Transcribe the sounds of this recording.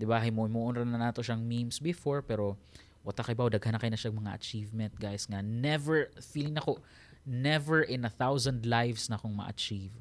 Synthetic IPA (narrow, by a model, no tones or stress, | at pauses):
d̪ɪbaɦɐjmomoʔonɾɐnɐnaːt̪oʃaŋmimsbɪfoɹpɛːɾo̞ | wɐt̪akɐʔɪbaod̪ɐɡ̚hɐnɐkɐjʊnɐʃaŋmɐŋa̰ʔɐt͡ʃivmɛnt̪̚ɡajɪsŋanɛvɛɹfiːlɪŋnɐko̞ | nɛvɛɹʔɪnɐθawsɐnd̪lajvsnɐkoŋmɐ̰ʔɐ̰t͡ʃiv